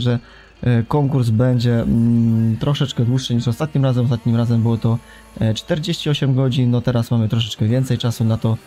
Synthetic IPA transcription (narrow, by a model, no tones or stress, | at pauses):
ʐɛ | kɔŋkuɾsbɛɲd͡ʑɛ | t̪ɾɔʂɛt͡ʂkɛd̪wuʂːɘɲiʂɔst̪at̪̚ɲimɾazɛmɔst̪at̪ɲimɾazɛmbɘwɔt̪ɔ | t͡ʂt̪ɛɾd͡ʑeɕt͡ɕiɔɕɛmɡɔd͡ʑinːɔt̪ɛɾasmamɘt̪ɾɔʂ̬ɛt͡ʂkɛvʲjɛnt̪sɛjt͡ʂasunat̪ɔ